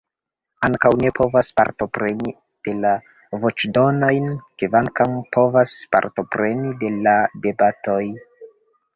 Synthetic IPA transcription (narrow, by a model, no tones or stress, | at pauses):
aŋkawne̞pʰo̞vaspa̰ɾto̞pɾe̞ni | d̥e̞la | vo̞t͡ʃdo̞nojnkevaŋkampo̞vaspa̰ɾto̞pɾe̞nide̞lade̞bato̞j